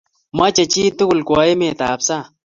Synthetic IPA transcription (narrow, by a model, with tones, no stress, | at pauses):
mɐ˦t͡ɕɐ˨t͡ɕiː˦t̪u˦ɡu˨lkwoː˨e˦meːt̪aːpsa˦